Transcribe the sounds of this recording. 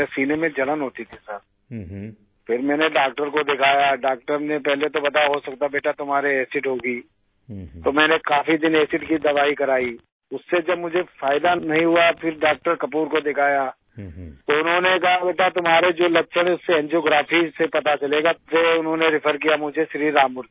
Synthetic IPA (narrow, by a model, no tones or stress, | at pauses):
siːnemẽd͡ʒɐlənɦoːt̪it̪ʰisɐɾ | fɪɾmɛ̃ːneɖaːk̚ʈəɾkod̪ɪkʰaːjaɖaːk̚ʈəɾnepɛɦlet̪obɐt̪aɦosɐk̚t̪abeːʈat̪ʊmɦaːɾeɛːsɪʈɦoːɡiː | t̪omɛ̃ːnekaːfid̪ɪnɛːsɪʈkid̪ɐʋaːikɐɾaːi | ʊsːed͡ʒɐbmʊd͡ʒʱefaːɪd̪anɐɦĩɦʊafʰɪɾɖaːk̚ʈəɾkɐpuːɾkod̪ɪkʰaːja | t̪oʊnɦõnekɐɦabeːʈat̪ʊmɦaːɾed͡ʒoːlɐtːʃʰəɽ̃ʊsːeɛ̃nd͡ʒoːɡɾaːfisepɐt̪at͡ʃɐleːɡaseʊnɦõːneɾɪpʰəɾkijamʊd͡ʒʱeʃɾiːɾaːmʊɾ